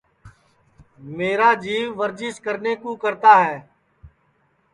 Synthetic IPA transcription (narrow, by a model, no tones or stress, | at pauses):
meːɾaːd͡ʒiːʋːəɾd͡ʒɪskəɾneːkoːkəɾt̪aːɦɛː